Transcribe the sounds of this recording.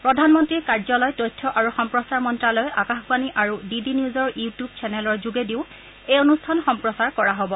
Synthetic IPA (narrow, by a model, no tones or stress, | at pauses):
pɹɔdʱanmɔntɹiɹkaɹzɔlɔjtojtʰːɔʔaɹuxɔmpɹɔsaɹmɔntɹalɔjakaxbaniʔaɹudidiniuzɔɹjutjub̚t͡ʃʰɛnɛlɔɹzuɡediʊ | ejonustʰanxɔmpɹɔsaɹkɔɹaɦobɔ